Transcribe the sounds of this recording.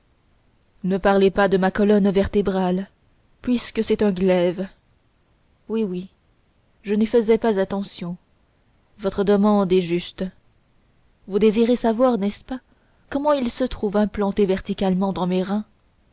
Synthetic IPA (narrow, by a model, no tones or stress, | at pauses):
nəpaʁlepad̪əmakɔlɔnvɛʁt̪ebʁal | pɥiskəsɛt̪ɛ̃ɡlɛv | wiwi | ʒənəfəzɛpazat̪ɑ̃sjɔ̃ | vɔt̪χəd̪əmɑ̃d̪ɛʒyst̪ | vud̪eziʁesavwaʁnɛspa | kɔmɑ̃ilsət̪χuvɛ̃plɑ̃t̪evɛʁt̪ikʲalmɑ̃d̪ɑ̃meʁɛ̃